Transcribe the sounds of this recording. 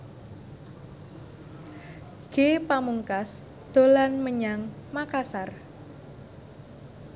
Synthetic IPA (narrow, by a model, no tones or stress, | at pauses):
ɡ̥epamuŋkas | d̪̥o̤lanməɲaŋmakasar